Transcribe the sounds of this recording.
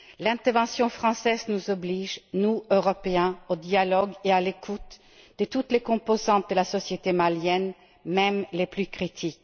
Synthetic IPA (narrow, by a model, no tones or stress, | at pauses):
lɛ̃t̪ɛʁvɑ̃sjɔ̃fʁɑ̃sɛːznuzɔbliːʒnuøʁɔpeɛ̃od̪ialɔɡealekʰut̪ | d̪̥ət̪ut̪lekɔ̃pozɑ̃t̪̚d̪əlasɔsjet̪emaljɛn | mɛmleplykʁit̪ʰik